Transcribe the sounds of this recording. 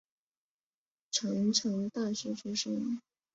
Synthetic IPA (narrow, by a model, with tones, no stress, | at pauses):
ʈ͡ʂʰɤ˧˥ŋʈ͡ʂʰɤ˧˥ŋt̪a˥˩ɕɛ˧˥ʈ͡ʂʰu˥ʂɤ˥ŋ